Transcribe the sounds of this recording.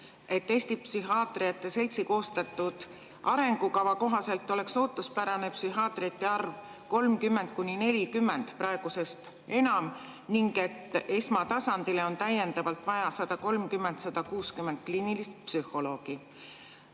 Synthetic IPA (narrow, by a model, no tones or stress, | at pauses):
e̞t̪ːe̞ːsʲt̪ipsyɦɑːt̪ˑriɑt̪ːˑe̞se̞lʲt̪siko̞ːst̪ɑt̪ːˑud̪̥ | ʔɑ̰ɾe̞ŋɡ̥ukɑvɑko̞ɦɑse̞lt̪ːˑo̞le̞kso̞ːt̪ːˑuspæɾɑne̞psyɦɑːt̪ˑriɑt̪ːˑeɑrv | ko̞lmkymːe̞nd̪̥̚kunʲine̞lʲikymːe̞nd̪̥prɑe̞ɡ̥use̞st̪ | e̞nɑm | niŋɡ̥e̞t̪ːe̞smɑt̪ɑsɑnd̪̥ileo̞nt̪æje̞nd̪̥ɑvɑlt̪ˑvɑjɑsɑd̪̥ɑko̞lmkymːe̞nt̪sɑd̪̥ɑkuːskymːe̞nd̪̥̚kliːnilist̪̚psyhˑo̞lo̞ːɡ̥i